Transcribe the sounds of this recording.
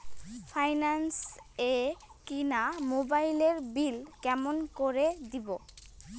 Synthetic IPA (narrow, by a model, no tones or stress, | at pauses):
fʰajnansekinamobajleɾbilkɛmonkoɾed̪ibo